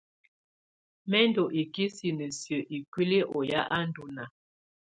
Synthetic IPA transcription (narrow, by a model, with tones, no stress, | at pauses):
mɛ˦ndo˨ʔi˨ki˦si˨nə˨sjə˨ʔi˨kwi˦li˦ʔɔ˨ja˦ʔa˦n˦du˨na˨